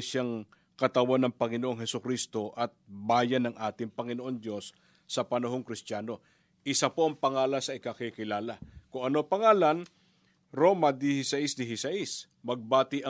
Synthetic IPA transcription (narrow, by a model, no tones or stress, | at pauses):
ʃaŋ | kɐt̪ɐwanɐŋpɐŋɪnoʔo̞ŋɦɛsʊkɾist̪o̞ʔɐt̪̚baːjɐnɐŋʔaːt̪ɪŋpɐŋɪnoʔo̞nd̪jo̞sː | ɐpɐnɐɦo̞ŋkɾɪst̪jaːno̞ | ʔɪsapo̞ʔɐŋpɐŋaːlɐsɐʔɪkɐkɪkɪlaːlɐkʊŋʔɐno̞pɐŋaːlɐn | ɾo̞mɐd̪ɪhɪsɐʔɪsd̪ɪɦɪsɐʔɪs | mɐɡ̚baːt̪ɪʔɐ